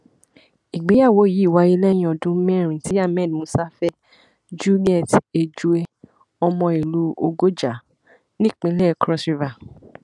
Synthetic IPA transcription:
i˨ɡ͡be˨˦ja˦˨wo˨˦˨ji˨˦i˦˨wa˨˧˦e˧lɛ˦jĩ˧ɔ˧˨dũ˦mɛ̃˦˨ɾ̃ĩ˨ti˨˦a˦˨mɛ̃˦˨n˨mũ˦sa˦fɛ˦ | d͡ʒu˦li˦ɛ˦˨te˧d͡ʒu˧e˧ | ɔ˧mɔ̃˧i˨lu˦o˧ɡo˦d͡ʒa˨ | nĩ˦˨k͡pĩ˧˦lɛ˦˨kɾɔ˦su˧va˨

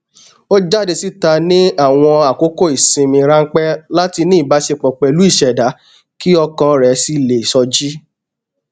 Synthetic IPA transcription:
o˦d͡ʒa˦˨de˧si˦ta˧nĩ˦a˦˨w̃ɔ̃˧a˨ko˨˦ko˦˨i˨sĩ˧mĩ˧ɾa˦ŋ̩˦k͡pɛ˦la˦ti˧nĩ˦˨ba˨˦ʃe˧k͡pɔ˨k͡pɛ˨lu˨˦i˦˨ʃɛ˨da˨˦ | ki˦ɔ˧kã˧ɾɛ˨˦si˦˨le˨sɔ˧d͡ʒi˦

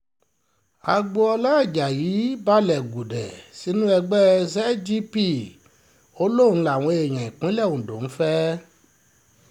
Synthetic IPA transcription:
a˧ɡ͡bo˧ɔ˧la˦˨d͡ʒa˨ji˨˦ba˦lɛ˨ɡu˨dɛ˨si˨˦nũ˦ɛ˧ɡ͡bɛ˦zɛ˦d͡ʒi˦pi˦˨ | o˦lõ˦˨˦la˨w̃ɔ̃˧e˨j̃ã˨i˨k͡pĩ˨˦lɛ˦˨ũ˨dõ˨n̩˦fɛ˦

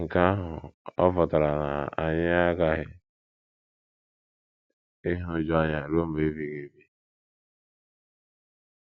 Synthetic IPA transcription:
ŋ̩˨ka˦ɦʊ˨ɔ˦fɔ˨ta˨ɾa˨na̰˨a˨ɲɪ˦a˦ɡa˦ɦɪ˦ | ɪ˦ɦʊ˦d͡ʒɔ˦ɲa˨ɾo˦m̩˦be˦vi˨ɣe˨bi˦

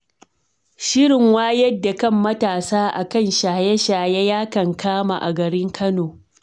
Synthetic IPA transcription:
ʃɪ˦ɾɪ˨ŋwaː˦jɐ˦dːa˨kɐ˦mːɐ˦taː˨saː˦ʔa̰˨kɐ˦˨nʃaː˨jɛ˦ʃaː˨jɛ˦jaː˦kɐ˨ŋkʰaː˦ma̰˨ʔa̰˨ɡɐ˨ɾɪ˦ŋkʰɐ˦noː˨

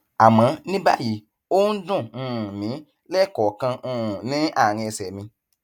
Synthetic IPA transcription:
a˨mã˨˦nĩ˦ba̰˦ji˨˦ | o˦n̩˦dũ˦˨˦mĩ˨˦ | lɛ˦˨kɔ˨kã˧ũ˧˨nĩ˨˦a˦˨ɾ̃ĩ˧sɛ˨mĩ˧

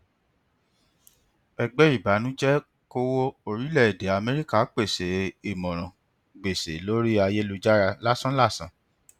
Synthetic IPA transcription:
ɛ˧ɡ͡bɛ˦i˦˨ba˨˦nũ˦d͡ʒɛ˦ | ko˦wo˦o˧ɾi˦lɛ˦˨i˨de˨˦a˧mɛ˦ɾi˦ka˦˨˦k͡pe˦˨se˨˦i˦˨mɔ̃˨ɾ̃ɔ̃˨ | ɡ͡be˨se˨˦lo˦ɾi˦a˧je˦lu˧d͡ʒa˦ɾa˧la˦sã˦la˦˨sã̰˨˦

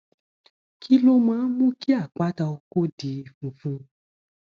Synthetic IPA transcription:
kʰi˦lo˦mã˦mũ˦ki˦a˦˨k͡pa˦ta˧ko˦di˧˨fũ˨˧fũ˦

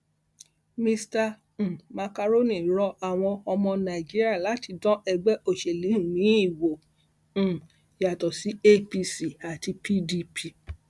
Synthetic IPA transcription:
mĩ˧stã˧˨ | ma˧ka˧ɾo˦nĩ˨ɾɔ˧a˨w̃ɔ̃˧ɔ˧mɔ̃˧nã˨i˨d͡ʒi˦ɾi˦a˦˨la˨˦ti˧dɔ̃˦ʔɛ˧ɡ͡bɛ˦o˦˨ʃɛ˨li˨˦hũ˨mĩ˨˦i˦˨wõ˨ | ja˨tɔ˨si˨˦e˦pi˧si˦˨a˨ti˧pʰi˦di˧pʰi˧

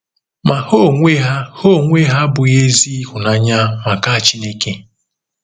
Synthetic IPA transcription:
ma˨ho˦˨ŋʷe˦ɦa˦ho˦˨ŋʷe˦ɦa˦bʊ˨je˦zi˦hʊ˨na˨ɲa˦ma˨ka˦a˨t͡ʃi˦le˦ke˦

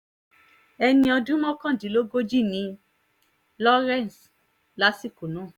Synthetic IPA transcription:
ɛ˧nĩ˧ɔ˧dũ˦mɔ̃˦kã˦˨dĩ˨˦lo˦ɡo˦d͡ʒi˦˨nĩ˧˦ | lɔ˦ɾɛ˦˨n˨s | la˦si˦˨ku˨nũ˨˦˨

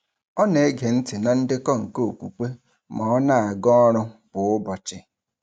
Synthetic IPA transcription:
ɔ˦ne˨e˦ɡe˨n̩˦tɪ˨na˨n̩˦dɪ˦kɔ˦ŋ̩˨ko˦o˨kʷu˨k͡pe˦ | mɔ˨ɔ˦na˦a˨ɡɔ˦ɔ˦ɾʊ˦b̥ʊ˨ʊ˦bɔ˨t͡ʃɪ˨

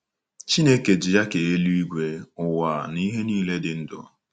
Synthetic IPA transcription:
t͡ʃi˦ne˦ke˨d͡ʒɪ˨ja˦ke˨e˦lu˦i˦ɡʷe˨ʊ˨wa˨ni˦ɦe˦niː˦le˦dɪ˨n̩˦dʊ̰˨

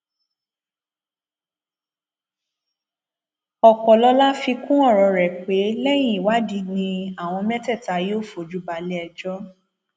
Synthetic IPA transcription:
ɔ˨k͡pɔ˨lɔ˧˦la˦fi˧kũ˦ɔ˦˨ɾɔ˨˧ɾɛ˨k͡pe˨˦lɛ˦j̃ĩ˦˨i˨wa˦di˨˦nĩ˧a˦˨w̃ɔ̃˧mɛ˦tɛ˦˨ta˧jo˦˨fo˨d͡ʒu˨˦ba˨˦lɛ˦ɛ˧d͡ʒɔ˦

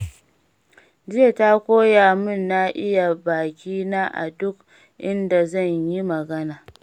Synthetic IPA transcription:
d͡ʒɪ˦je˨ta˦kʷoː˦ja˨mʊ˦˨nːa˦ʔɪ˦ja˨baː˨kʲiː˦na˦ʔa̰˨dʊ˦k | ʔɪ˦nda˨zɐ˦˨ɲji˦mɐ˨ɡɐ˦naː˨

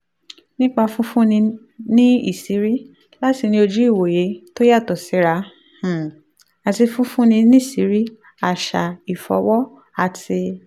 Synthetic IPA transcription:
nĩ˦k͡pa˧fũ˦fũ˦nĩ˧ | nĩ˦ḭ˦˨si˨˦ɾi˦ | la˦ti˧nĩ˦o˧d͡ʒu˦i˦˨wo˨je˨˦to˦ja˦˨tɔ˨si˨˦ɾa˧˦ | h̩˨ | a˨ti˧fũ˦fũ˦nĩ˧nĩ˦i˦˨si˨˦ɾi˦ | a˦˨ʃa̰˨i˨fɔ̰˨˦wɔ˦ | a˧˨ti˧

